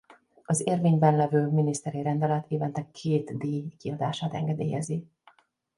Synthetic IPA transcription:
ɒzeːrveːɲbɛnlɛvøːminist̪ɛɾiɾɛnd̪ɛlɛt̪eːvɛnt̪ɛkʰeːt̪d̪eːjkiɒd̪aːʃaːt̪ɛ̰ŋɡɛd̪ḛːjɛzi

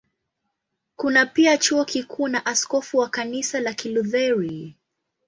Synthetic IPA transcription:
kunapiat͡ʃuɔkikʰuːnaʔaskɔfuwakanisalakiluðɛɹi

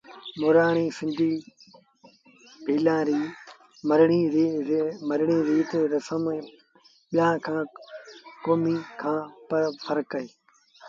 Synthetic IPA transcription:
mʊɾaːɽ̃iːsɪ̃nd̪ʱiː | bʱiːlãːɾiː | mɐɾɳi | mɐɾɪɳiːɾiːt̪ɾɐsəm | ɓɪjãːkʰãː | koːmikʰãːpɐpʰɐɾkːɐɦeː

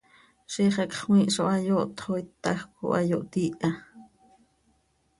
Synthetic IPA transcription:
ʃiχakχwĩʔʃoʔajoʔt̪χojt̪ːaxkṵʔajoʔt̪iʔa

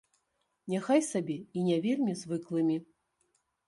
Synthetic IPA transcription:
nʲaxajsabʲɛinʲɛvʲelʲmʲizvɨklˠɨmʲi

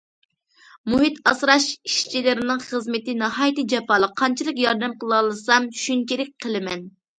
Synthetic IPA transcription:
muɦit̪ɑsɾɑʃiʃt͡ʃʰilɪɾɪnɪŋχəzmɪt̪ɪnɑhɑːjt̪ɨd͡ʒɛpɑːlˠəqʰːɑnt͡ʃʰilˠəqjɑɾd̪ɛmqəlˠlˠɨsɑmʃynt͡ʃʰilɪk̚ʲqʰəlˠɪmɛn

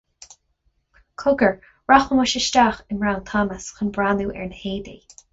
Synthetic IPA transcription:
kʰʊɡəɹ | ɹaxəmʊʃəʃtaːxɪnɹawnt̪ʰɑːməsxənbɹaːnuːʔɛ̰ɹnheːdḭː

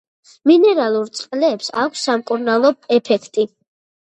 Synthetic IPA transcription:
minɛɾalˠuɾt̪sʼqʼlɛːpsa̰kʷʰsːamkʼuɾnalˠɔɛpʰɛkʰt̪ʼi

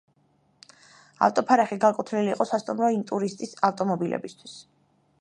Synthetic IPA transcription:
a̰ft̪ʼɔpʰaɾɛχiɡakʼut̪ʰniliːqʼɔsast̪ʼumɾɔint̪ʼuɾist̪ʼisaft̪ʼɔmɔbilɛ̰bist̪ʰwis

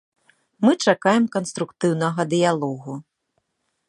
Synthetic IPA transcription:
mɨt͡ʂakajɛmkɐnst̪ɾukt̪ɨwnɐɣɐd̪ɨjalˠɔɣu

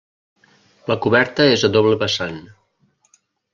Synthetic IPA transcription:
ləkuβɛɾt̪əezədoβləβəsan

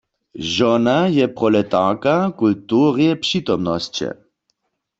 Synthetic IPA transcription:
ʒɔnajɛpʁɔlɛt̪aʁkakult̪uːʁjɛpʂit̪ɔmnɔst͡ʃɛ̰

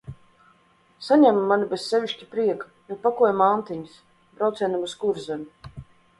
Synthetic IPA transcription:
saɲæmːanibessevʲiʃʲtcʲipɾiɛkḁ | jɔpakujamant̪iɲis | bɾawt̪sɛnamuskuɾzɛmu

